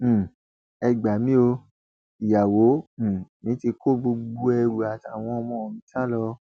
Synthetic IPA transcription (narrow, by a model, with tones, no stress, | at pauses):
ɛ˧ɡ͡ba˨mĩ˦o˧ | i˨ja˨wõ˨˦˨nĩ˨˦ti˧kʰo˦˨bo˧ɡ͡bo˧ɛ˧ɾu˨a˨ta˨w̃ɔ̃˧ɔ˧mɔ̃˧˨˧nĩ˦ta˦˨lɔ˧